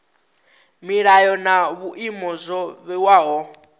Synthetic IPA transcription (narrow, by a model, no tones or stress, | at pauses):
miɺajɔnaβuʔimɔzʷɔβɛwaɦɔ